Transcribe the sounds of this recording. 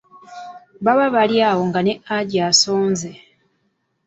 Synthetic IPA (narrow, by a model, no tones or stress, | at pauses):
βaβaβaljaːwo̞ŋɡane̞ʔaɟaso̞ːnze